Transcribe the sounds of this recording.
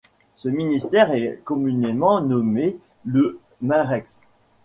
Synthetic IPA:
səminist̪ɛʁɛkɔmynemɑ̃nɔme | lə | mɛ̃ʁɛks

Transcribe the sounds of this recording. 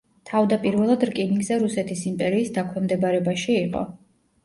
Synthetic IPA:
t̪ʰavd̪apʼiɾvɛlˠad̪ɾkʼiniŋɡzɛɾusɛt̪ʰisimpʼɛɾiːsd̪akʰwɛmd̪ɛbaɾɛbaʃiːqʼɔ̰

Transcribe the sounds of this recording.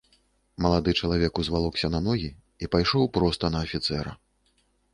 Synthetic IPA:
mɐlˠad̪ɨt͡ʂɐlˠavʲɛkuzvalˠɔksʲɐnɐnɔɣʲi | ipajʂɔwpɾɔst̪ɐnɐːfʲit̪sɛɾɐ̰

